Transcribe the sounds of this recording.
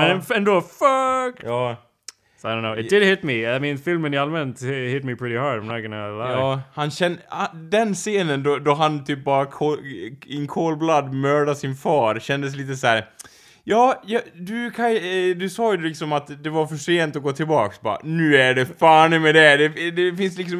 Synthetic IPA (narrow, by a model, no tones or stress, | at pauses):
mɛnɛ̃nd̪oːfœktjɑː | soadõʊnːoʊɪtd̥̪ɪd̪hɪt̪̚miaɪminfɪlmənɪalmɛnt̪hɪt̪mipʰɹ̥ɪt̪ɪhɑɹdamnaɡənalajɑːhanɕɛnd̪ɛnseːnənd̪ɔd̪ɔɦant̪ʰyːp̚bɑːɾakʰoɪŋkʰoːlblad̪mœːɖasɪnfɑːɾɕɛnd̪əs̬liːt̪əsæːɾ | jɑːjɑd̪ʉkʰad̪ɵsɑːjʉlɪksɔmat̪d̪ɛvaɾfœʂeːnt̪ɔɡoːt̪ʰɪlbɑːksbɑ̰ɾa̰nʉ̟ːæɖɛfaːnɪmɛd̪ɛd̪ɛd̪ɛfɪnslɪksɔ